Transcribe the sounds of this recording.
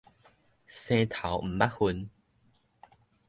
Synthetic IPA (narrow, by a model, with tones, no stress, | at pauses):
sẽ˧t̪ʰa˨˦wm̩˨˩ba˦˥t̚hu˧n